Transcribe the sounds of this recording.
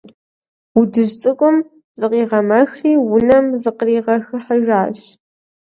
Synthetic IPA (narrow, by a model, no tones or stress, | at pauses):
wʊdɨʒt͡sʼɨkʷʼʊm | z̥ɨqiːʁɐmɐxriːwʊnɐmzɨqəriːʁɐxɨħɐʒaːɕ